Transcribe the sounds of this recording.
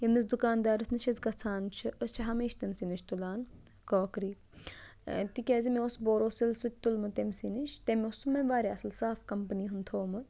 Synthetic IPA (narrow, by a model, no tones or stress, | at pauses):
jemizd̪ukaːnd̪aːɾɨsnɨt͡ʃʰɐzkɐt͡sʰaːnt͡ʃʰɨʔəst͡ʃʰɐɦɐmeːʃt̪ɐmsiniʃʰt̪ulaːn | koːkɾiː | t̪ikʲaːzimeosboːɾoːsilsut̪̚ʲt̪ulmɨt̪emʲsiniʃt̪emʲosumɐmʲʋaːɾʲeɐsɨlsaːfkɐmpniːɦunt̪ʰoːmɨ